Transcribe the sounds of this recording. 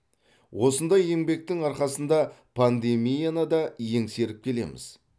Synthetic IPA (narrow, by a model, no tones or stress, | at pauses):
wo̞sənd̪ɑje̞ŋbe̞k̚t̪ɪŋɑɾqɑsənd̪ɑpʰand̪e̞mijanɑd̪ɑje̞ŋse̞ɾɪp̚kʲʰe̞le̞̰mɪ̰z